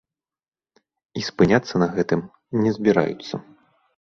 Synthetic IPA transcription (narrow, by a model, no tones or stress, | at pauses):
ispɨnʲat̪sːɐnɐɣɛt̪ɨm | nʲɛzʲbʲiɾa̰jṵt̪sːɐ